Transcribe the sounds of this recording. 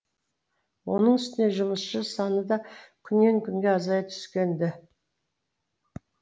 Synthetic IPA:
wo̞nəɴʏst̪ɪne̞ʒʊməsʃəsɑnəd̪ɑkʲʰʏnːe̞ŋkʲʰʏŋɡʲe̞ɑzɑjt̪ʰʏ̥skʲe̞nd̪ɪ

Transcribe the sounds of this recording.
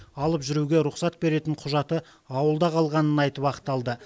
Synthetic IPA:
ɑlˠəpʒʏɾuɡʲe̞ɾʊqsɑt̪̚be̞ɾe̞t̪ɪɴqʰʊʒɑt̪ə | ɑwəlˠd̪ɑqʰɑlˠʁɑnənɑjt̪əpɑqt̪ːɑlˠd̪ə

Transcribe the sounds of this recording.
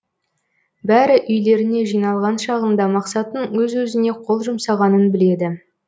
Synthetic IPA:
bæɾɪʔʏjle̞ɾɪne̞ʒijnɑlˠʁɑnʃɑʁənd̪ɑmɑqsɑt̪ənwɵzwɵzɪne̞qʰo̞lˠʒʊmsɑʁɑnənbɪle̞d̪ɪ

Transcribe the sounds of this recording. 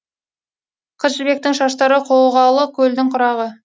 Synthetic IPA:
qʰəzɪlbe̞k̚t̪ɪŋʃɑʃt̪ɑɾəqʰowʁɑlˠəkʲʰɵld̪ɪŋqʰʊɾɑʁə

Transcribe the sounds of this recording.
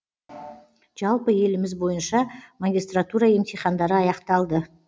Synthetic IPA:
ʒ̥ɑlˠpəje̞lɪmɪzbo̞jənʃɑmaɡʲist̪rat̪uɾɑje̞mt̪ʰeχɑnd̪ɑɾəɑjɑqt̪ɑlˠd̪ə

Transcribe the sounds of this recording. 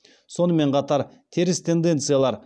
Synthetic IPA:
so̞nəme̞ɴqʰɑt̪ɑɾ | t̪ʰeɾɪst̪ʰe̞nd̪e̞nt̪sɨjalˠɑɾ

